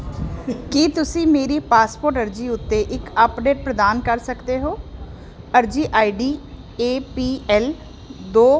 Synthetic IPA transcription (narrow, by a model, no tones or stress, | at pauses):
kiːt̪ʊsĩːmeːɾiːpaːspoːɾʈəɾd͡ʒiːʊt̪ːeːʔɪkəpɖeːʈ̚pɾəd̪aːnkəɾsəkd̪eːɦoː | əɾd͡ʒiːʔaːiɖiː | eːpiːɛːl | d̪oː